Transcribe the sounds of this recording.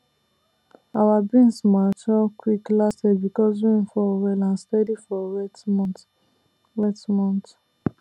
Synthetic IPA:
awabĩnsmat͡ʃɔkwiklastebikɔs̬wĩnfɔwɛlãnstɛdifɔwɛmɔ̃t | wɛtmɔ̃nt

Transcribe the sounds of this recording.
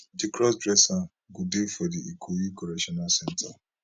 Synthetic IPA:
dikɾɔsdɾɛsa | ɡudefediikʰujikɔɾɛʃɔnalsɛntʰa

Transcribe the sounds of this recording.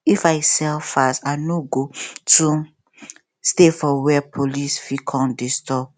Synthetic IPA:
ifajsɛlfastaɪnoɡotʰu | stefɔwɛpʰolisfikʰɔ̃ndistɔp̚

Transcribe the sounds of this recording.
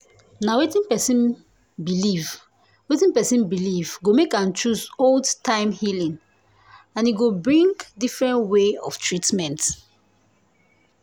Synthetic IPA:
nawetĩnpɛsĩn | biliv | wetĩnpɛsĩnbilivɡomekãnt͡ʃusoldtʰãɪ̃mhilĩŋ | ãniɡobɹĩŋɡdifɹɛ̃ntweɔ̰ftʰɹitmɛ̃nt

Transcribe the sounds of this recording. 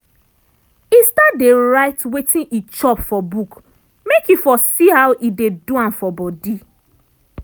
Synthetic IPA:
istadeɹaɪtwetʰĩnʔit͡ʃɔpfɔbuk | mekjifɔsihawʔideduãnfɔbɔdi

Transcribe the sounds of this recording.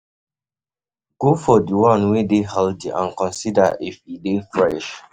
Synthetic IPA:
ɡofɔdiwãnwedehaldiʔã̰nkɔ̃nsida̰ʔifidefɹɛʃ

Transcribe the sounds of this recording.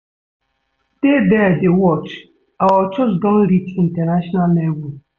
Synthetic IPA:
d̥ebɛdewɔt͡ʃ | awɔt͡ʃɔd͡ʒɡɔ̃n̩ɾitin̩tɛnaʃɔnalːewu

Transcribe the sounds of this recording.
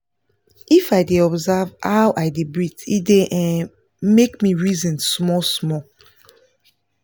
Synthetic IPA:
ifaɪdeɔbzavhaʊʔaɪdebɹitideʔɛ̃n | mekmiɹizɔ̃nsmɔsmɔ

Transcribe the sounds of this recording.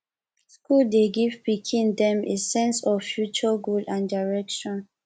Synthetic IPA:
skuldeɡivbikʰĩndɛ̃mʔesɛ̃nsɔvfjut͡ʃaɡulãndaɹɛkʃɔ̃n

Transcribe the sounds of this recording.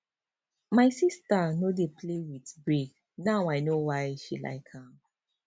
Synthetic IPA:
majsistanodeplewitbɹik | nawajnowajʃila̰ɪkãm

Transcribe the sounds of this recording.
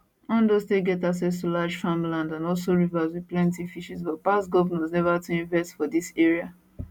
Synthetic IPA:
ɔ̃ndɔsteɡɛtaksɛs̬tulad͡ʒfãmlãndãnɔls̬oɹivaswiðplɛ̃ntifiʃis̬bɔt̚pasɡɔvnɔ̃snɛvatuĩɱvɛstfɔdisɛɹia

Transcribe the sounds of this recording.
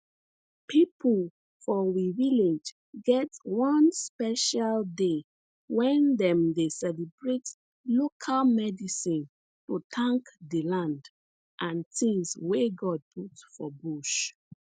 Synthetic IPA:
pʰipʰəl | fɔwiviled͡ʒ | ɡɛtwɔ̃nspɛʃalde | wɛ̃ndɛ̃mdesɛlibɹet | lokʰalmɛdisĩn | tutʰãŋkdilãnd | ʔãntĩŋsweɡɔd̚pʰutfɔbuʃ

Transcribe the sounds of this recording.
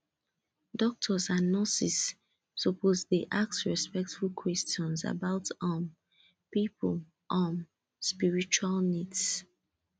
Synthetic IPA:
dɔk̚tʰɔsãnːɔsisː | ɔpʰozdeʔak̚sɹɛspɛk̚tfulkʰwɛstɔ̃nsa̰baʊtɔ̃m | pipəl | ʔɔ̃m | spiɹit͡ʃualnids

